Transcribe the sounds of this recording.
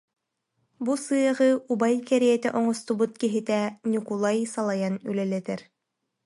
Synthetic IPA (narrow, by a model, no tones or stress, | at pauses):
busɯjɑʁɤubajkæɾijɛt̪æʔɔɴɔst̪ubut̪̚kiɦɘ̆t̪ænʲikulˠajsɑlˠɑjany̰lɛlæt̪ɛɾ